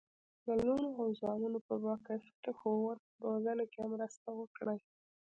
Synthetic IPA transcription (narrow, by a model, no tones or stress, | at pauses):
d̪əlunoawzɑnunopəbɑkast̪axowaɾ | bozanakeamɾəst̪awəkɽəj